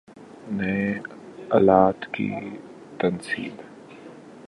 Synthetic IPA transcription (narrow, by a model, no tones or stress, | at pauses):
nɐe | ɐlaːt̪kḭ | t̪ɐnsḭːb